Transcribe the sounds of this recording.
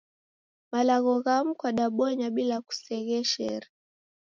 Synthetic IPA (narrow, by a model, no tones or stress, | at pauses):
malaɣɔɣam̩kwaɗaɓɔɲaɓilaku̥sɛɣɛʃɛ̰ɾi